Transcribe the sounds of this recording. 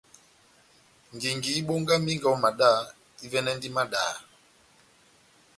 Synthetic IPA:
ŋ˨ɡi˨ŋɡi˨˦ɓo˦ŋɡa˦mi˦ŋɡa˨ɔ˦ma˨ɗa˦˨ | i˦vɛ˦nɛ˦ndi˦ma˦ɗa̰ː˨

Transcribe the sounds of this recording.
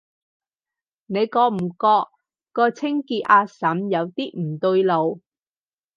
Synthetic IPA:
ne˨˧jkɔː˧k̚m̩˨˩kɔː˧kː | ɔː˧t͡sʰɪ˥ŋkiː˧t̚ʔaː˧sɐ˨˥mjɐ˨˧wt̪iː˥m̩˨˩t̪ɵ˧jlo˨˧w

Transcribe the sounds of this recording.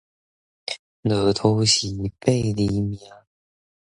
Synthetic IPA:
nɤ˨˦t̪ʰo˧˦ɕi˨˦pe˥˨ɪli˧mja˧˦

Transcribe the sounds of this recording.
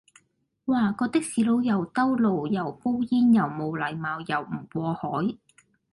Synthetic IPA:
waː˨˧kɔː˧t̪ɪ˥k̚siː˨˧lo˨˧wjɐ˨˩wt̪ɐ˥wlo˨˩wjɐ˨˩wpo˥wjiː˥njɐ˨˩wmo˨˧wlɐ˨˩jmaː˨˧wjɐ˨˩wm̩˨˩kʷɔː˧hɔː˨˥j

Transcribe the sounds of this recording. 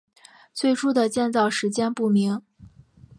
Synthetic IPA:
t͡swe˥˩ɪʈ͡ʂʰu˥d̪ə˨t͡ɕjɛ˥˧nt͡sɑ˥˩ʊʂɻ̩˧˥t͡ɕjɛ˥npu˥˩mi˧˥ŋ

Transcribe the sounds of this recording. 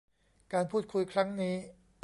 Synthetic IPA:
kaː˧npʰuː˥˩t̪̚kʰu˧jkʰɾa˦˥ŋniː˦˥

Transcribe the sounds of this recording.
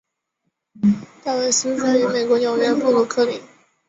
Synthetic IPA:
t̪a˥˧we˥˩ɪs̩˥˧t͡sa˥˩ɪy˧˥me˨˩ɪkwɔ˧˥njo˨˧˩ʊjɥɛ˥npu˥˩ɡ̪ə˧˩kʰɤ˥˩li˧˩˦

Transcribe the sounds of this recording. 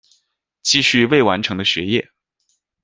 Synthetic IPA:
t͡ɕi˥˧ɕy˥˧we˥˩ɪwa̰˧˥nʈ͡ʂʰɤ˧˥ŋd̪ə˧ɕɥɛ˧˥jɛ˥˩

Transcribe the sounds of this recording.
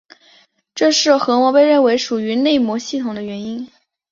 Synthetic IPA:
ʈ͡ʂɤ˥˧ʂɻ̩˥˩xɤ˧˥mwɔ˧˥pe˥˧ɪɻə˥˩nwe˧˥ɪʂu˨˩y˧˥ne˥˩ɪmwɔ˧˥ɕi˥˩t̪ʰʊ˨˩ŋd̪ə˦ɥɛ˧˥ni˥n

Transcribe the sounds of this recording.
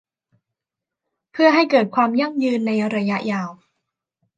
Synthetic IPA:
pʰɯ˥˩ɐɦa˥˩jkɤː˨˩t̪̚kʰwaː˧mja˥˩ŋjɯː˧nːa˧jɾa˧ja˦˥ʔjaː˧w

